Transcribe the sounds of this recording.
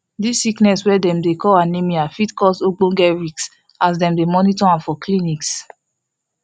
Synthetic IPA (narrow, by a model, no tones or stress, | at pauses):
disːiknɛswɛdɛ̃mdekɔlãnemiafitkɔsoɡ͡bõŋɡɛɹiks | as̬dɛ̃mdemɔnitɔãnfɔkliniks